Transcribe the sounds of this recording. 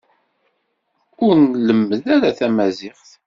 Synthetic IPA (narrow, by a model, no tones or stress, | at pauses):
ʊɾnləmːəðæɾaθæmæzɪχθ